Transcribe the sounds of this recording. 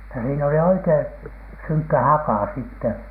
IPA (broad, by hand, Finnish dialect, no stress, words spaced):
jɑ siːn oli oikein̥ syŋkːæ hɑkɑˑ sitːe